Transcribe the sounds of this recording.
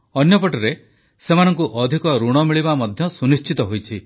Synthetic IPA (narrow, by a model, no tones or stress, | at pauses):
ɔnjɔpɔʈɔɾe | semanɔŋkuʔɔd̪ʱikɔɾuɽ̃ɔmiɭibamɔd̪ʱjɔsunist͡ʃit̪ɔɦojt͡ʃʰi